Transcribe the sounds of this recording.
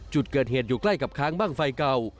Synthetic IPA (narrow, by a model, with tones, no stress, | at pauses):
t͡ɕu˨˩t̪̚kɤː˨˩t̪̚heː˨˩t̪̚juː˨˩kla˥˩jka˨˩p̚kʰaː˦˥ŋbaː˥˩ŋfa˧jka˧w